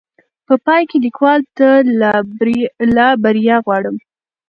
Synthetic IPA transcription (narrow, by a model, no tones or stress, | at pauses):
pəpɑjkelikwɑlt̪a | lɑbaɾijɑɣwɑɽəm